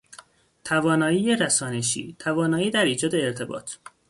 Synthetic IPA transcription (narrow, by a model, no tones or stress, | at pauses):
t̪ʰævɒːnɒːiːjeɾæsɒːneʃḭːt̪ʰævɒːnɒːiːd̪æɾiːd͡ʒɒːd̪eːɾt̪ʰe̞bɒ̰ːt̪ʰ